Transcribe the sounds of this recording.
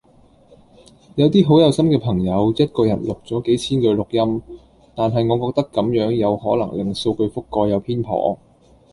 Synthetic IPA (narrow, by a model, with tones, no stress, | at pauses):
jɐ˨˧wt̪iː˥ɦo˨˥wjɐ˨˧wsɐ˥mkɛː˧pʰɐ˨˩ŋjɐ˨˧wjɐ˥t̚kɔː˧jɐ˨˩nlʊ˨k̚t͡sɔː˨˥ke˨˥jt͡sʰiː˥nkɵ˧lʊ˨k̚jɐ˥m | t̪aː˨nɦɐ˨jŋɔː˨˧kɔː˧k̚t̪ɐ˥kːɐ˨˥mjœː˨˥ŋjɐ˨˧whɔː˨˥lɐ̰˨˩ŋlɪ˨˩ŋso˧wkɵ˧ɥfʊ˥kːɔː˧jɐ˨˧wpʰiː˥npʰɔ̰ː˨˩